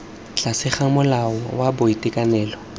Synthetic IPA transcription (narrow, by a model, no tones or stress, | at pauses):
t͡ɬʼasɪχamʊlaɔwabʊitʼɪkʼanɛːlɔ